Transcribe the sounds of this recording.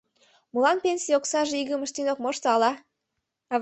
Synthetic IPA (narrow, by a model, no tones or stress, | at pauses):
mulɑnpʲenʲsʲijoksɑʒeiɣəmə̆ʃt̪inok̚moʃt̪ɤɑlɑ | ɑv